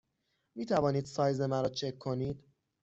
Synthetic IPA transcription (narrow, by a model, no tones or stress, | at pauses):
miːt̪ʰævɒːniːd̪̥sɒːjzemæɾɒːt͡ʃʰe̞kʰːo̞niːd̪̥